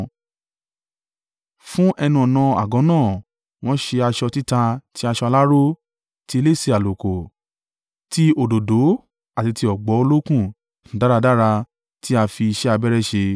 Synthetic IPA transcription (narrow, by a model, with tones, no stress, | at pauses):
fũ˦ʔɛ˧nũ˧ɔ˨nã˧a̰˨ɡɔ̃˨˦nãː˦˨ | w̃ɔ̃˦ʃe˧a˧ʃɔ˧ti˦ta˧ti˦a˧ʃɔ˧a˧la˦ɾo˦ | ti˦e˧˦le˦˨se˧a˨lo˨ko˨ | ti˧˦o˨do˨do˨˦ | a˨ti˧ti˧ɔ˨ɡ͡bɔ˨˦o˧lo˦kũ˦˨˦ | da˦ɾa˧da˦ɾa˧ | ti˦a˧fi˧i˧ʃɛ˦a˧bɛ˦ɾɛ˦˨ʃe˧